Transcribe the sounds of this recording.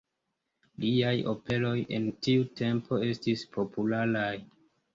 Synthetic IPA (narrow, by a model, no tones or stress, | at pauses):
liajo̞̰pe̞lo̞je̞̰ntiute̞mpʰo̞e̞stispʰo̞pulalaj